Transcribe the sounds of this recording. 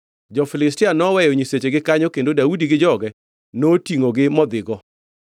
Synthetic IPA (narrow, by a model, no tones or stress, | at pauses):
d͡ʒɔfɪlɪstɪanɔwɛjoɲiset͡ʃeɡɪkaɲokendodaudiɡɪd͡ʒɔɡɛ | notiŋoɡɪmɔd̪ɪɡɔ